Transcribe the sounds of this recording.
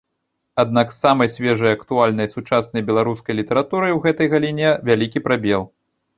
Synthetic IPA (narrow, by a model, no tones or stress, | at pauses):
ad̪naksːamɐjsʲvʲɛʐɐjɐkt̪ualʲnɐjsut͡ʂasnɐjbʲɛlˠaɾuskɐjlʲit̪ɐɾat̪uɾɨjwɣɛt̪ɐjɣɐlʲinʲɛvʲalʲikʲipɾabʲɛlˠ